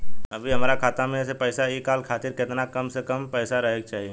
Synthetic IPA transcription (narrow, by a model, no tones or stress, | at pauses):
ɐbʱiɦɐmaːɾakʰaːt̪amẽːsepɛːsaeːkːaːlkʰaːt̪ɪɾkɪt̪nakɐmsekɐmpɛːsaɾɐɦek̚t͡ʃaːɦieː